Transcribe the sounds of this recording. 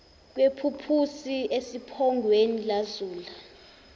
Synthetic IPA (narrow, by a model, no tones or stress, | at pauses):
k̬wepʰupʰusiʔesipʰɔŋɡʱwenilazuːla